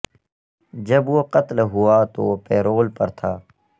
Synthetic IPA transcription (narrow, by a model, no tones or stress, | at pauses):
d͡ʒəbwoqət̪lɦʊaːt̪o̰ːpɛːɾoːlpəɾt̪ʰaː